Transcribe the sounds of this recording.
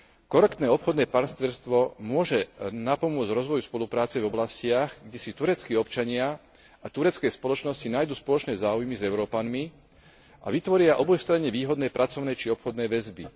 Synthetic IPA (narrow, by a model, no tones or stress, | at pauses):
kɔɾɛkt̪nɛːɔpxɔd̪nɛːpaɾst̪ɛɾst̪ʋɔmʊɔʒɛnapɔmʊɔd͡zɾɔzʋɔjuspɔlupɾaːt͡sɛvɔblascɪaɣɡɟɛsit̪uɾɛt͡skiːɔpt͡ʃaɲɪa | at̪uɾɛt͡skɛjspɔlɔt͡ʃnɔscinaːjd̪uːspɔlɔt͡ʃnɛːzaːujmizɛʊɾɔːpanmi | a̰ʋit̪ʋɔɾɪaʔɔbɔjst̪ɾaɲɛʋiːɦɔd̪nɛːpɾʔat͡sɔʊnɛːt͡ʃiɔpxɔd̪nɛːʋɛzbḭ